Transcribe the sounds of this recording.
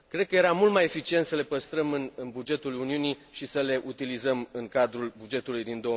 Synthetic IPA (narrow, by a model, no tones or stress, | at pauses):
kɾe̞d̪̚kəje̞ɾamult̪maje̞fit͡ʃie̞nt̪səle̞pəst̪ɾəmɨnɨnbud͡ʒe̞t̪uluniuniʃisəle̞ʔut̪ilizəmɨŋkad̪ɾulbud͡ʒe̞t̪ulujd̪ind̪oə